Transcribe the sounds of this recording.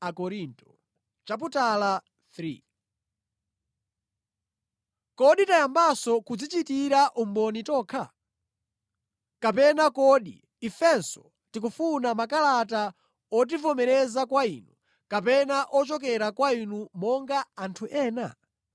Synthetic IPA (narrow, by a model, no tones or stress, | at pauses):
akɔɾintɔ̥ | t͡ʃap̬utala | θɾḭ | kɔɗitajambasɔkud͡zit͡ʃitiɾaʔumbɔnitɔːkʰa | kapɛnakɔɗḭ | ifɛnsɔ | tik̬ufunamakalata | ɔt̬ivɔmɛɾɛzakwainu | kap̬ɛnaʔɔt͡ʃɔk̬ɛɾakwainumɔŋɡaantʰuʔɛːna̰